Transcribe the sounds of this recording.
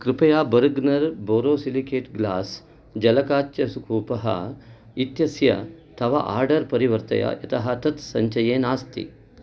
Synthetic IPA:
kɾɪpɐjaːbɐɾɡnɐɾboːɾoːsilikeːʈɡlaːs | d͡ʒɐlɐkaːt͡ʃjɐsukʰuːpɐɦɐ̰ | it̪jɐsjɐ̰t̪ʰɐʋɐ̰ʔa̰ːɾɖɐɾpɐɾiʋɐɾt̪ɐ̰jɐ̰ʔɐt̪ɐɦɐt̪ɐt̪sɐɲt͡ʃɐjeːnaːst̪ḭ

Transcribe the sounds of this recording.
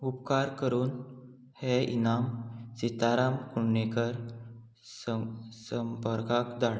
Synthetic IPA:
upkaɾkəɾuːn | heʔḭnamsit̪aɾamkuɳːekəɾ | səsəmpəɾkakd̪aɽ

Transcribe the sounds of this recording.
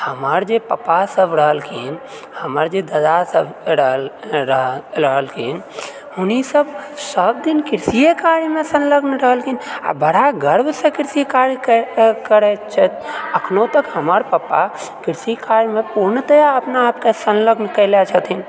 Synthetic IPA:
həməɾd͡ʒepəpasəbɾəɦəlkʰin | həməɾd͡ʒed̪əd̪asəbɾlɾəɦɾəɦəlkʰin | hʊnisəbsəb̚d̪inkiɾsijekaɾmẽsənləɡnɾəɦəlkʰina̰bəɽ̤aɡəɾbsẽkiɾsikaɾkkəɾɛt͡ʃʰət̪əkʰnõt̪əkɦəməɾpəpːa̰kiɾsikaɾmẽpuɾnət̪əjaəpnaːpkesənləɡnkəɪlɛt͡ʃʰət̪ʰin

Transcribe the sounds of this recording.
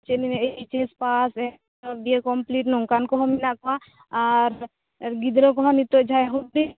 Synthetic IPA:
t͡ʃenineit͡ʃespasɛ | biekɔmpliʈnɔŋkankɔɦɔminakɔa | aɾ | ɡid̪ɾɔkɔɦɔnit̪od͡ʒʱajɦɔi

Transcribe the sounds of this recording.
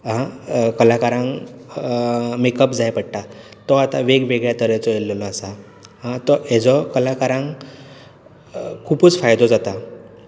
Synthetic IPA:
ɦãkəlakaɾãŋ | mekəpd͡zajpəɽʈat̪ɔat̪aʋeɡʋeɡɭjat̪əɾat͡sɔelːlɔasa | ɦãt̪ɔɦed͡zɔkəlakaɾãŋ | kʰupuːt͡sfajd̪ɔd͡zat̪a

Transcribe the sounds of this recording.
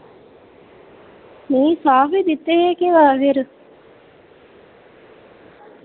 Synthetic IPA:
miːsaːfid̪it̪ːeɦeːkiʋaʋeɾu

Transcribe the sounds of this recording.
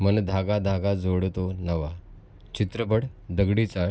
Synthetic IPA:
mənd̪ʱaɡad̪ʱaɡad͡zoɽt̪onəʋa | t͡ɕit̪ɾəbəɽd̪əɡɽit͡sa

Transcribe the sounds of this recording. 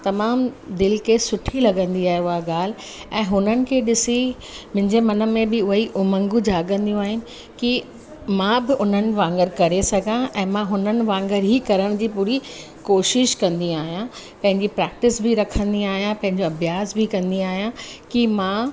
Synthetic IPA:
t̪ɐmaːmd̪ɪlkesʊʈʰilɐɡə̃nd̪iaːɦeʊɦaɡaːl̤ | ɛ̃ːɦʊnənɪ̆kʰeːɗɪsi | mʊ̃ɦɪ̃ɲd͡ʑemɐnə̆mẽbɪʊɦiʔʊmə̃ŋɡud͡ʑaːɡə̃nd̪ijũaːɦɪnɪ̆ | ki | mãːbɪʔʊn̤ənɪ̆ʋãːŋɡəɾkɐɾesɐɡʱãʔɛ̃ːmãɦʊnənɪ̆ʋãːŋɡəɾɦiːkɐɾəɽ̃d͡ʑiːpuːɾi | koːʃɪʃkɐ̃nd̪iaːɦijã | pɐ̃ɦɪ̃ɲd͡ʑipɾɛːk̚ʈɪsbɪɾɐkʰə̃nd̪iaːɦijãpɐ̃ɦɪ̃ɲd͡ʑoɐbʱjaːsbɪkɐ̃nd̪iaːɦijãkimã

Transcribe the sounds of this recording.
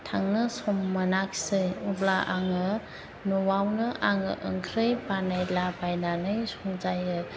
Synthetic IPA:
tʰaŋnɯsɔmːanaksɯjublaʔaŋɯ | nɔwawnɯʔaŋɯ̰ʔɯ̰ŋkʰɾɯjbanajlabajnanɯjsɔŋzajɯ

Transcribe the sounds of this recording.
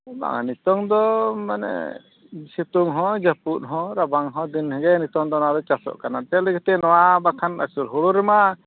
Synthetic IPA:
ba̰ŋanit̪ɔŋd̪ɔmanɛ̰ | sɛt̪uŋɦɔ̃d͡ʒaput̪̚ɦɔ̃ɾabaŋɦɔ̃d̪inhɛɡɛnit̪ɔŋd̪ɔnad̪ɔt͡ʃasɔ̰ʔkanat̪ɛlɛɡɛt̪ɛnɔwabakʰana̰suɾɦuɽuɾɛma

